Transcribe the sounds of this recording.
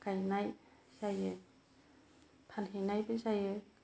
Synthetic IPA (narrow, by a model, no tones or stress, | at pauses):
kajnajsajɯ | pʰanhenajbɯsajɯ